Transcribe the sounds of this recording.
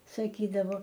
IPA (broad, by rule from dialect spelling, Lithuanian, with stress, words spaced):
sɐˈkʲiːdɐʋoː